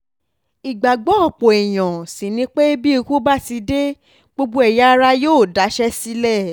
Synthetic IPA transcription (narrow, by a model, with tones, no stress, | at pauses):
i˨ɡ͡ba˨ɡ͡bɔ̃˨˦ɔ˦˨k͡po˨ɛ˨j̃ɔ̃˨si˨nĩ˧˦k͡pe˦bi˦e˧ko˦ba˦ti˧de˦ | ɡ͡bo˦ɡ͡bo˦ɛ˧ja˦ɾa˧joː˦˨da˨˦ʃɛ˦si˦lɛ˦˨